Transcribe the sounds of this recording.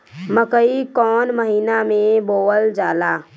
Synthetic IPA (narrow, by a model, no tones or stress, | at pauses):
məkəikɔːnməɦiːnamẽboːəld͡ʒaːlaː